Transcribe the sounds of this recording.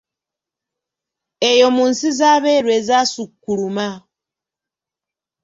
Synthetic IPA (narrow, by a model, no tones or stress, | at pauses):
ejo̞muːnsizaːβe̞ɾwe̞zaːsukːuluma